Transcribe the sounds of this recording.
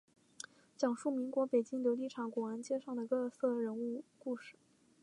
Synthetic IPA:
t͡ɕjɑ˨˩ŋʂu˥˩mi˧˥ŋkwɔ˧˥pe˨˩ɪt͡ɕi˥ŋljo˧˥ʊli˥˩ʈ͡ʂʰɑ˨˩ŋkwɔ˨˩ə˧˥nt͡ɕjɛ˥ʂɑ˥˩ŋd̪ə˩kɤ˥˧˥sɤ˥˩ɻə˧˥nu˥˧ku˥˧ʂɻ̩˥˩˦

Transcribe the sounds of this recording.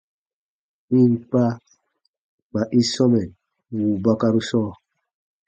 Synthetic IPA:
i˦˨m˨pa˦ | ma˨ʔi˦sɔ˦mɛ˨n | wu˨ba˦ka˦ɾu˦sɔː˦

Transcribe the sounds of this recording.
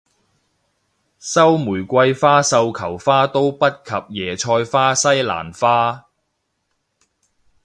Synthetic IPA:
sɐ˥wmuː˨˩jkʷɐ˧jfaː˥sɐ˧wkʰɐ˨˩wfaː˥t̪o˥wpɐ˥t̚kʰɐ˨p̚jɛː˨˩t͡ʃʰɔː˧jfaː˥sɐ˥jla̰ː˨˩nfaː˥

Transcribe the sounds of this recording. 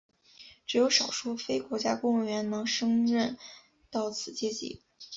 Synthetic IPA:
ʈ͡ʂɻ̩˨˩jo˧˥ʊʂɑ˨˩ʊʂu˥˩fe˥ɪkwɔ˧˥t͡ɕja˥kʊ˥ŋ˥˩ɥɛ˧˥nnɤ˧˥ŋʂɤ˥ŋɻə˥˩n | t̪ɑ˥˩ʊt͡sʰɹ̩˨˩t͡ɕjɛ˥˩t͡ɕḭ˧˥

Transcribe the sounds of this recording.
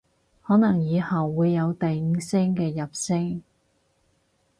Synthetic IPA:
hɔː˨˥nɐ˨˩ŋjiː˨˧hɐ˨wːuː˨˧jːɐ˨˧wt̪ɐ˨jŋ̩ː˨˧˥sɛ˥ŋkɛː˧jɐ˨p̚sɪ˥ŋ

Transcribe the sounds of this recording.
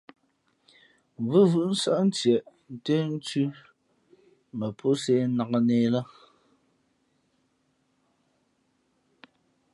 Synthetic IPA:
vɨ˦vʉ˦˨ʔn̩˦sa˦ʔn̩˦tjɛ˨ʔn̩˨te˦n̩˦tʉ˦ | mə˨pʰo˦se˦na˨ka˦neː˦la˦

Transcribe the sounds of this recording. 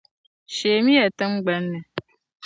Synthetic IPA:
ʃeː˨mi˦jɛ˨tɨ˦mɡ͡bɛ˨˦nːɛ˨

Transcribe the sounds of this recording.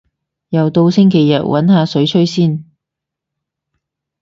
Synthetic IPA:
jɐ˨wt̪o˧wsɪ˥ŋkʰe˨˩jːɐ̰˨t̚wʔɐ˨˥nhaː˨˧sɵ˨˥ɥt͡ʃʰɵ˥ɥsiː˥n

